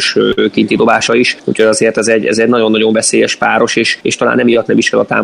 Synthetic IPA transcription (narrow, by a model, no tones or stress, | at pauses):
ʃkint̪id̪obaːʃɒiʃṵːcʰhoɟɒzeːrt̪ɛzɛɟɛ̰zɛɟnɒɟo̞nːɒɟo̞ɱvɛseːjɛʃpa̰ːɾo̞ʃeːʃḛːʃt̪ɒla̰ːnɛmijɒt̪nɛmiʃkalɒ̰t̪a̰ːm